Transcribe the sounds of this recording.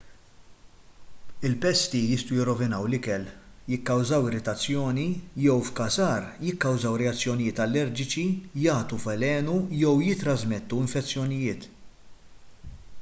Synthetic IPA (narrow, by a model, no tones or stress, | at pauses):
ɪlpɛst̪ijɪst̪ujɪrːɔvɪnɐwlɪkɛl | jɪkːɐwzɐwɪɾɪt̪ɐt͡sːjɔːnijɛwfkɐsɐːɾjɪkːɐwzɐwɾɛɐt͡sːjɔnɪjɪːt̪ɐlːɛɾd͡ʒɪt͡ʃijɐːt̪ufɛlɛːnujɛwjɪt̪ːɾɐzmɛt̪ːuɪɱfɛt͡sːjɔnɪjɪːt̪